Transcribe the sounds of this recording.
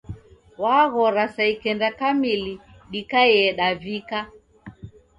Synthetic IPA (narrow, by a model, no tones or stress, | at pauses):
waɣɔɾasaikɛndakamiliɗikaɛɗavika